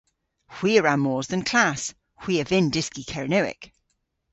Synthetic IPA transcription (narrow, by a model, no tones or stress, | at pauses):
hw̥iːəɹamɔːzðə̃nkʰl̥as | hw̥iːəvɪ̃ndɪskikʰɛɹɪnəwɪ̰k